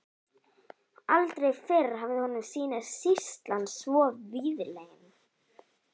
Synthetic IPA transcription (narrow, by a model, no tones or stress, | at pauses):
alt̪ɾejfɪɾɦavðɪhɔnʏmsiːnaðsist̪lansvɔːðviːðɪɾleːjɪnɪ